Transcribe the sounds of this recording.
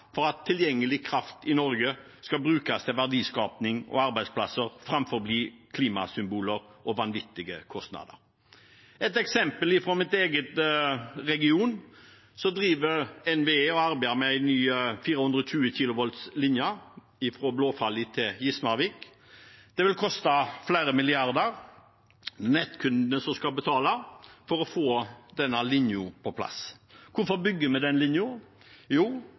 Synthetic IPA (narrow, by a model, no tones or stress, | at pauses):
fɔɾɑt̪ʰːɪljɛŋːəlɪkʰɾɑft̪ɪnɔɾɡə | skɑbɾʉːkast̪ʰɪʋæʁd̪iːskɑːpnɪŋɔ̰ɑɾbæɪdspʰlɑsəʁfɾɑmfɔʁbliːkʰliːmɑsʏmbuːləɾʔɔʋɑnʋɪt̪ːɪɡəkʰɔst̪nɑ̰d̪ə̰ɾ | ɛt̪ɛksɛmpəlɪfɾoːmɪt̪eːɡət̪ | ʁɛɡɪuːn | sɔd̪ɾiːʋəɛnʋeeːɔɑɾbæɪd̪əmɛæɪnyːfiːɾəhʉnd̪ɾəɔtʰʉːəçiːlʊʋɔlt̪slɪnjə | ɪfɾoːbloːfɑlːɪt̪ʰɪjɪsmɑʋɪk | d̪̥ɛʋɪlkʰɔst̪ɑflæːɾəmɪlɪɑɾd̪əɾ | nɛt̪kʰʉnd̪nəsɔskɑlbət̪ʰɑːləfɔɾɔfoːd̪ɛnːəlɪnjʊpʰɔpʰlɑ̰skʊfɔɾbʏɡːəmɛd̪ɛnlɪnjʊ | juː